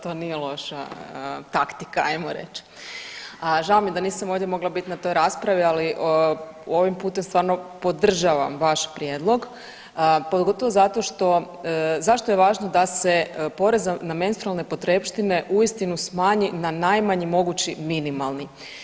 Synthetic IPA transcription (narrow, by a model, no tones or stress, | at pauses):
t̪o̞ːnijelˠo̞ʃa̰ət̪akt̪ikaajmoɾḛt͡ʃ | əʒaomid̪aniːsamoːʋd̪jemo̞ɡlˠabit̪inat̪o̞jɾaspɾaʋialiʔ | o̞ʋimpuːt̪emst̪ʋaːɾnopo̞d̪r̩ʒaʋamʋaʃpɾjeːd̪lˠo̞ɡ | pod̪ɡo̞t̪oʋozat̪o̞ʃt̪o̞ | zaʃt̪o̞jeʋaːʒnod̪ase̞po̞ɾe̞zanamenst̪ɾualˠne̞po̞t̪ɾepʃt̪ine̞ʔuist̪inusmaːɲinanajmaɲimo̞ɡut͡ɕiminimalˠni